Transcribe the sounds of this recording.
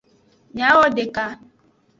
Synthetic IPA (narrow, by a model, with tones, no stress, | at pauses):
ɲa˦ɣɔ˦dɪ˨ka˦